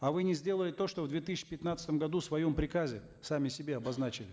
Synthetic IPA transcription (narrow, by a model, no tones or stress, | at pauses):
ɐvɨnʲɪzʲdʲe̞lˠəlʲɪt̪o̞ʂt̪o̞vd̪vʲet̪ɨsʲɪt͡ɕːɪ̥pʲɪt̪nat̪st̪əmɡɐd̪usvɐjo̞mpɾʲɪkazʲɪ | samʲɪsʲɪbʲeɐbɐznat͡ɕɪlʲɪ